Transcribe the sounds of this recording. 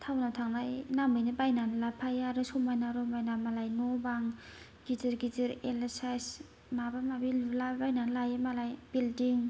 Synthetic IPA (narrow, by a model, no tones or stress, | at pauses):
tʰawnawtʰaŋnajnamɯjnɯbajnanlapʰajaɾɯsɔmajnaɾɔmajnamalajnɔbaŋ | ɡ̥izɯɾɡiziɾelsajs | mabamabillabajnanlajamalajbildiŋ